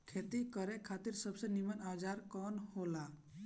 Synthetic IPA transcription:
kʰet̪ikəɾekʰat̪iɾsəbsenimənad͡ʒaɾkɔːnhola

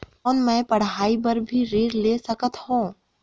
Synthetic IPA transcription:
ɔːnmɛ̃ːpɐɽ̤ɦaːibəɾbʱiɾiːɾleːsəkət̪hõː

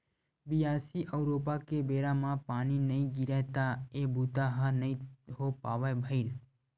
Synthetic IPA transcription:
bijasiʔəwɾop̬akebeɾamãpaninəĩɡiɾɛɦt̪aebut̪aɦanəĩɦopaʋajbʱəil

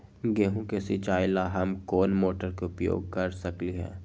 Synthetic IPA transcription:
ɡeːɦũkesit͡ʃaːɪlaɦɐmkoːnmoːʈəɾkeʊpjo̰ːɡ̚kɐɾsɐkliɦɛ̰ː

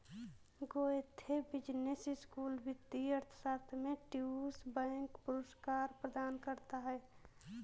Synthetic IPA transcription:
ɡoet̪ʰːebɪd͡ʒnesɪskuːlbɪt̪ːiəɾt̪ʰə̥saːt̪ʰmẽʈiusbɛ̃ːŋkpʊɾəskaːɾpɾəd̪aːnkəɾt̪aɦɛː

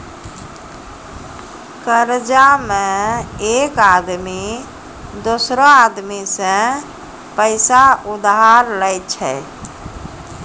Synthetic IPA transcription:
kəɾd͡ʒamẽekad̪mi | d̪osɾɔad̪misə̃ | pəɪsaud̪ɦaɾləjt͡ʃʰɛ

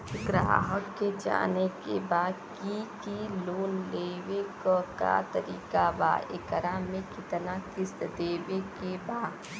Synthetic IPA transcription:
ɡɾa̰ːɦəkːed͡ʒa̰ːnekebaːd̪kikiloːnleːʋekka̰t̪ɐɾiːkaba̰ːḛkəɾamẽkɪt̪nakɪsd̪eːʋekebaːd̪

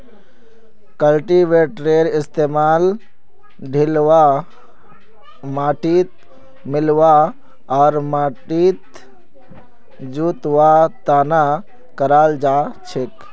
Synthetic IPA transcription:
kəlʈiʋeːʈɾeːɾɪst̪eːmaːl | ɖʱil | maːʈiːt̪̚ | mɪlʋa | ɔːɾmʈit̪ | d͡ʒut̪ʋat̪aːna | kəɾaːld͡ʒat͡ʃʰek

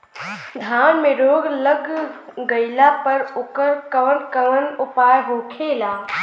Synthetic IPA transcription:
d̪ʱaːnmeɾoːɡləɡɡəɪlapəɾoːkəɾkəʋənkəʋənupaːjɦokʰela

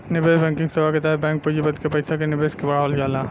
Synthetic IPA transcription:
nɪbeːsbɛ̃ːŋkɪ̃ŋɡsebaket̪aɦbɛ̃ːŋk̚puːd͡ʒibəd̪kepɐɪsakenɪbeːskebɐɽ̤aːʋəld͡ʒaːla

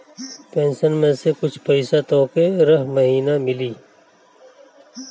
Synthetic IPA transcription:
pẽːnʃənmẽsekʊt͡ʃʰpəɪsat̪oːkeɾɐɦməɦiːnamɪliː

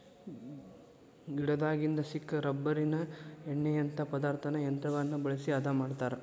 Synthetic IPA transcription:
iɽɐd̪aːɡind̪ɐsikːɐɾɐbːɐɾinɐɛɳːɛjɐnt̪ʰɐpɐd̪aːɾt̪ʰɐnɐjɐnt̪ɾɐʋɐnːɐbɐɭɐsiɐd̪ʱamaːɽt̪aːɾɐ

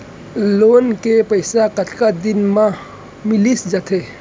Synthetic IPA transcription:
loːnkepəɪsakət̪ʰkad̪ɪnmã | mɪlisd͡ʒət̪ʰe

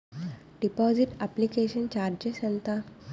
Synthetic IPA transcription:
ɖipɔd͡ʑiʈæplikeɕənt͡ɕaɾd͡ʑəɕənt̪a

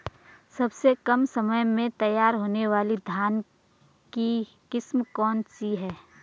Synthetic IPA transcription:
sɐbsekɐmsɐməjmẽt̪ɐjaːɾɦoːneʋaːlid̪ʱjaːn | ki | kɪsmkɔːnsiɦɛː

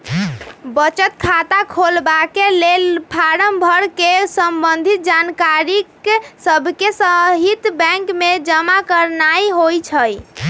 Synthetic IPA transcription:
bət͡ʃət̪kʰat̪akʰolbakelelpʰaɾəmbʱəɾkesəmbənd̪ʱit̪̚d͡ʒankaɾiksəbʱkesəɦit̪bɛ̃ŋkmed͡ʒəmakəɾnajɦojt͡ʃʰəj

